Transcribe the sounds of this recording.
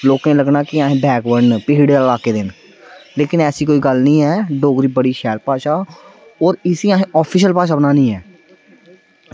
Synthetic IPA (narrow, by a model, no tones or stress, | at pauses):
loːkẽːləɡnaːkɪaːɦẽːbɛːkʋəɳpɪɦɪɽeːlaːkeːd̪ɪn | leːkɪnɛːsiːkoːiːɡəlnĩːɛːɖoːɡɾiːbəɽiːʃɛːlpaːʃaː | ɔːɾɪsĩːãːɦẽːʔɔːpʰiːʃəlpaːʃ̬aːbənaːnĩːɛː